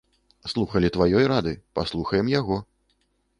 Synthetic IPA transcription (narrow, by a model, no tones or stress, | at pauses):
slˠuxɐlʲit̪vajɔjɾad̪ɨpaslˠuxɐjɛmjaɣɔ